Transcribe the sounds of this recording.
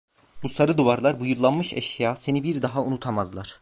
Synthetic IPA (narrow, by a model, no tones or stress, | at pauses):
b̥usaɾɯd̪uvaɾlˠaɾbujuɾlˠanmɯʃɛ̰ʃjaːse̞nibiɾd̪aɦaunut̪ʰamazlˠaɾ̥